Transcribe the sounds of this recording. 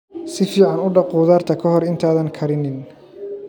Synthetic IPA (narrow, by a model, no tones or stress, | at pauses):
sɪfiːʕɑnʊɖɑquːðaːrt̪ʰɐkʰɐɦɔrɪnt̪ʰaːðɐŋkʰɐɾɪnɪn